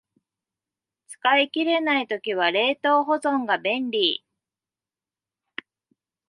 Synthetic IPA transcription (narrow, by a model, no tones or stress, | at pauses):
t͡sɨ̥kaikʲiɾe̞nait̪okʲiβ̞aɾe̞ːt̪o̞ːɦo̞zõ̞ŋɡabẽ̞nɾʲiː